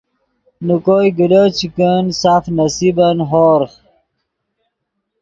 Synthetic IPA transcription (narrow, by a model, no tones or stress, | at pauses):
nukojɡilot͡ɕʰikənsaːfnɐsibɐnɦoːɾχ